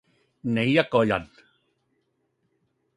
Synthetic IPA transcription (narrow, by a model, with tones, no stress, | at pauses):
ne˨ja˦kɔ˨ja̰˨n